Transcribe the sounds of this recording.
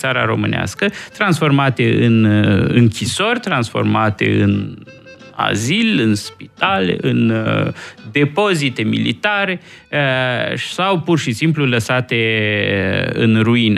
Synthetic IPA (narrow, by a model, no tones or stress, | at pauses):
saɾa̰ɾo̞mɨnea̰skət̪ɾansfo̞rmat̪e̞ɨnɨ̰ŋkʲiso̞rʲt̪ɾansfo̞̰rmat̪e̞̰ɨn | a̰zilɨnspi̥t̪alḛʔɨn | d̪e̞po̞zit̪e̞mḭlḭt̪aɾe̞ | sawpurʃisimpluləsat̪e̞ | ɨ̰nruinə